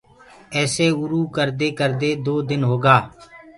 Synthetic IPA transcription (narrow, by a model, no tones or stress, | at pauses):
ɛːseːʊɾuːkəɾd̪eːkəɾd̪eːd̪oːd̪ɪnɦoːɡaː